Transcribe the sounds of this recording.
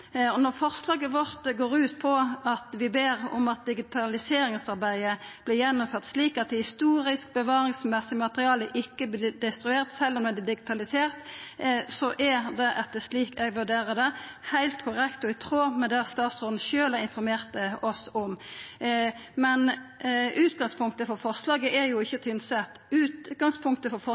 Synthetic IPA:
ɔnɔʁfɔʁslɑːɡəʋɔʁt̪ɡoːɾʉːt̪pʰɔɑt̪ʋɪbeːʁɔ̰mɑt̪̚d̪ɪɡɪt̪ʰɑlɪseːɾɪŋsɑʁbæɪəb̥lɪjɛnːʊmføːʁt̪sliːkɑt̪̚d̪ɛhɪst̪uːɾɪsk̚bəʋɑːɾɪŋsmɛsɪmɑt̪əʁɪɑːləʔɪkːəblɪd̪ɛst̪ɾʉeːʁt̪sɛlːɔmɛd̪ɛd̪ɪɡɪt̪ʰɑlɪseːʁt̪ | sɔʔæɾd̪ɛʔɑt̪d̪ɛsliːkɛɡʋʉɖeːɾəd̪ɛhæɪlt̪kʰʊʁɛkt̪ɔɪt̪ʰɾoːmɛd̪ɛɑt̪st̪ɑːt̪sɔnn̩ʃøːlæɾɪnfɔɾmeːʁt̪əɔsɔm | mɛn | ʉːt̪ɡɑŋspʰʊŋk̚t̪əfɔɾfɔʁslɑːɡəʔɛɾjʊɪçːət̪ʰʏnsɛt̪ʉːt̪ɡɑŋspʰʊŋkt̪əfɔɾfɔ

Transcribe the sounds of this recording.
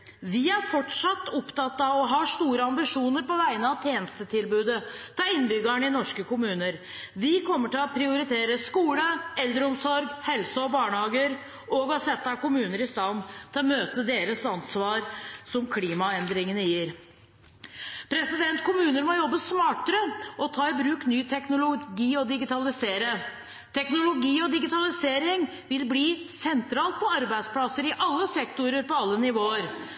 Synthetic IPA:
ʋɪæɾfɔʈʂɑt̪ːʊpt̪ɑt̪ːɑʋɔɦɑːʂt̪uːɾəɑmbɪʂuːnəɾpɔʋæɪənəɑʋt̪ʰjeːnəst̪ət̪ʰɪlbʉːd̪ət̪ʰɑːɪnːbʏɡəɳəɪnɔʂkəkʊmʉːnəɾ | ʋɪkʰɔmːəʈɪlɔpʰɾɪʊɾɪt̪ʰeːɾəskuːləɛld̪ɾəʊmsɔɾɡhɛlsəɔbɑːɳhɑːɡəɾ | ʔɔɡɔsɛt̪ːɑkʊmʉːnəɾɪst̪ɑnːt̪ʰɪlɔmøːt̪əd̪eːɾəsɑnsʋɑːɾsɔmkʰliːmɑɛnd̪ɾɪŋənəjiːɾ | pʰɾɛsɪd̪ɛnt̪kʰʊmʉːnəɾmɔjɔbːəsmɑːʈəɾəɔt̪ʰɑːɪbɾʉːknyːt̪ʰɛknʊlʊɡiːɔd̪ɪɡɪt̪ɑlɪseːɾə | t̪ʰɛknʊlʊɡiːɔd̪ɪɡɪt̪ɑlɪseːɾɪŋ | ʋɪlbliːsɛnt̪ɾɑːlt̪̚pʰɔɑɾbæɪd̪spʰlɑsəɾɪʔɑlːəsɛkt̪ʊɾəɾpɔɑlːənɪʋoːəɾ

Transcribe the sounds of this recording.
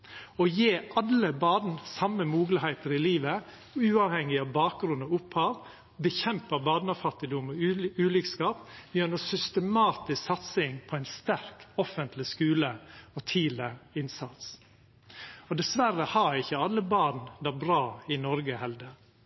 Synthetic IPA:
ɔjeːʔɑləbɑːdn̩sɑmːəmuːɡlɪhæɪt̪əɾɪliːʋə | ʉːɑʋhɛŋːɪɑʋbɑːk̚ɡɾʉnɔʊphɑːʋ | bəçɛmpəbɑːd̪nəfɑt̪ːɪd̪ʊmɔʉːlikskɑːpmjœnəsʏst̪əmɑːt̪ɪssɑt̪sɪŋpʰɔæɪnst̪æɾkɔfənt̪ʰlɪskʉːləɔt̪ʰiːləɪnsɑt̪s | ɔd̪ɛsʋæɾəhɑɾɪçəɑlːəbɑːɖnd̪æɾbɾɑːɪnɔɾɡəhɛld̪ə

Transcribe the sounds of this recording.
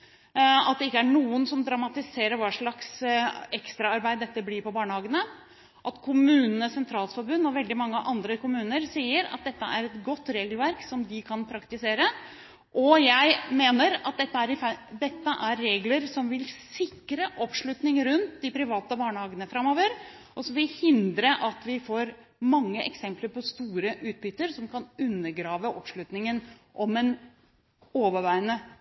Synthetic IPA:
ɑt̪̚d̪ɛɪkːəæɳuːənsɔmd̪ɾɑmɑt̪ɪseːɾəɾʋɑːʂɭɑksɛkst̪ɾɑɑɾbæɪd̪d̪ɛt̪ːəblɪɾpɔbɑːɳəhɑːɡənə | ʔɑt̪kʰʊmʉːnənəsɛnt̪ʰɾɑːlsfɔɾbʉnːɔʋɛld̪ɪmɑŋːəʔɑnd̪ɾəkʊmʉːnəɾsiːəɾɑ̰t̪̚d̪ɛt̪ːəʔæɾɛt̪ɡɔt̪ːɾeːɡəlʋæɾksɔmd̪ɪkʰɑnpʰɾɑkt̪ɪseːɾə | ʔɔjæɪmeːnəɾɑt̪̚d̪ɛt̪ːəæɾɪfd̪ɛt̪ːəʔæɾːeːɡləɾsɔmʋɪlsɪkɾəʔɔpʂɭʉt̪nɪŋɾʉnt̪d̪ɪpʰɾɪʋɑːt̪əbɑːɳəhɑːɡənəfɾɑmːoːʋəɾ | ʔɔsɔmʋɪlhɪnd̪ɾəʔɑt̪ʋɪfoːɾ | mɑŋːəʔɛ̰ksɛmpləɾpʰɔst̪uːɾəʔʉːt̪̚bʏt̪ːəɾsɔmkʰɑnʉnːəɾɡɾɑːʋəʔɔ̰pʂlʉt̪nɪŋənʔɔmɛn | oːʋəʋæɪənə

